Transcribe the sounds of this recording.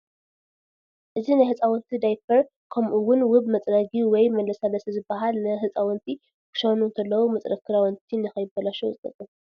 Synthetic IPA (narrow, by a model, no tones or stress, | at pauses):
ʔɨzinajhɨt͡sʼawɔnt̪ʰid̪ajfʰɐɾ | kʰɐmʔuwʊnwʊβmɐt͡sʼɾɐɡiwɔjmɐlɐsalɐsɐzɨbːɐɦalnɨɦɨt͡sʼawɔnt̪ʰi | kɨ̥ʃɐwnunt̪ʰɐlːɐwumɐt͡sʼɾɐkʰɨɾawɔnt̪ʰinɨxɐjɪbɐlaʃuwzɨt̪ʼɐ̰t̪ʼːɨn